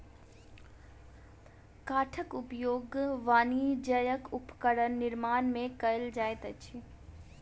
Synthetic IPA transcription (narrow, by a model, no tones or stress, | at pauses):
kaːʈʰəkʊpjoːɡʋaːnid͡ʒəjəkʊpkəɾənːɪɾmaːnmẽkɐɪld͡ʒaːet̪ət͡ʃʰi